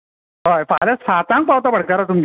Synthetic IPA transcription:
ɦafajlasat̪ãŋk̚pawt̪abʱəɽkaɾat̪umɡ

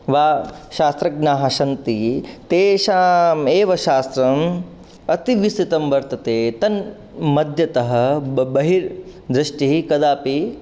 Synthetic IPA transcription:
ʋaːʃaːst̪ɾɐɡnaːɦɐʃɐnt̪it̪eːʃaːmeːʋɐʃaːst̪ɾɐm | ɐt̪iʋist̪it̪ɐmʋɐɾt̪ɐt̪eːt̪ɐn | mɐd̪ʱjɐt̪ɐɦɐbɐɦiɾd̪ɾɪʂʈiikɐd̪aːpi

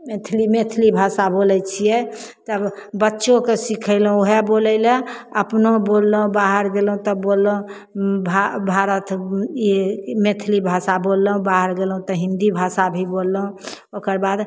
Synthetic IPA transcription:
met̪ʰlimet̪ʰlibʱasabolɛt͡ʃʰijɛt̪əbbətːʃõkesikʰəɪlɦõoɦɛboləɪlə̃əpnobolːɦũbaɦəɾɡelɦũt̪ɔbolːõ | bʱabʱaɾət̪ | met̪ʰlibʱasabolːəɦũbaɦəɾɡelɦũt̪ɔɦĩnd̪ibʱasabʱibolːəɦũ | okəɾbad̪

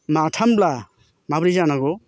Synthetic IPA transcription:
matʰambla | mabɾizanaɡɔ

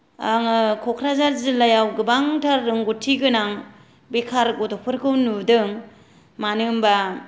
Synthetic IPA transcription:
aŋɯkʰɔkʰɾazaɾzɯlajawɡɯbaŋtʰaɾːɯŋɡutʰːiɡɯnaŋ | bekʰaɾɡɔtɔpʰɯɾkʰɯwnudɯŋ | manɯmba

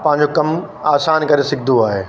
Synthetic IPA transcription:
pɐ̃ɦɪ̃ɲ̆d͡ʑokɐm | aːsaːnkɐɾesɪk̚ʰd̪ʱoaːɦeː

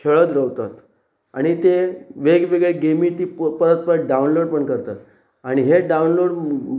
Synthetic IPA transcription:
kʰeɭət̪ɾəʋt̪at̪ | a̰ɽ̃it̪eʋeɡʋeɡɭeɡemiːt̪iːpəɾət̪̚pəɾəɖaunloɽpəɳkəɾt̪at̪ | aɽ̃iɦeɖaunloɽ

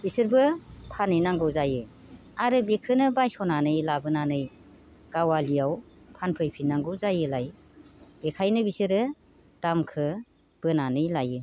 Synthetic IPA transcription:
bisɯɾbɯpʰanɯjnaŋɡɯwzajɯ | aɾɯbekʰɯnɯbajsɔnanɯjlabɯnanɯj | ɡ̥awalijawpʰanpʰɯjpʰinaŋɡɯwzajɯlaj | b̥ekʰajnɯbisɯɾɯ | d̥amkʰɯ | b̥ɯnanɯjlajɯ

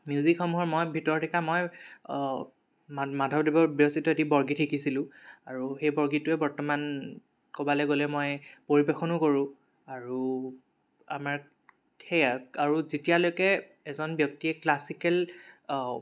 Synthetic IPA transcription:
mjuzikxɔmuɦɔɹmojbʱitɔɹɔtʰikamɔj | madʱɔb̚dibɔɹbiositɔetibɔɹɡitʰikisilʊ̃aɹuxejbɔɹɡitʊɛbɔɹtɔman | kobalɛɡolɛmɔjpoɹibexɔnʊkoɹʊ̃ | aɹu | a̰maɹ | kʰɛaaɹuzitijalojkɛ | ɛzɔnbjɔk̚tiɛklasikɛl

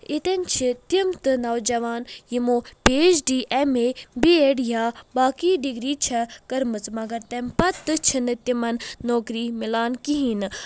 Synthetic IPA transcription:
it̪ent͡ʃʰit̪imt̪ɨnɐwd͡ʒɐʋaːnjimoːpeːd͡ʒɖiːʔemeːbieɖjaːbaːkiːɖiɡɾiːt͡ʃʰɐkɐɾmɨt͡smɐɡɐɾt̪empɐt̪ːɨt͡ʃʰinɨt̪imɐnːoːkɾiːmilaːnkiɦiːnɨ

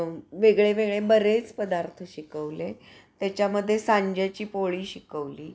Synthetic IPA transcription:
ʋeɡɭeʋeɡɭebəɾet͡spəd̪aɾt̪ʰəɕikəʋle | t̪jat͡ɕjaməd̪ʱːjesaɲd͡ʑjat͡ɕiːpoɭiːɕikəʋliː

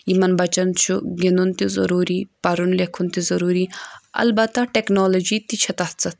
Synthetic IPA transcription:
imɐnbɐt͡ʃɐnt͡ʃʰuɡenunt̪izɐ̰ɾuːɾipɐɾunlekʰunt̪izɐɾuːɾiɐ̰lbɐt̪ɐʈeknoːlod͡ʒit̪it͡ʃʰɐt̪ɐht͡sɐt̪

